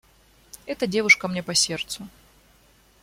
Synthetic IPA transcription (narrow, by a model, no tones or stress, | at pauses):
ɛt̪ədʲe̞vʊʂkəmnʲepɐsʲe̞rt̪sʊ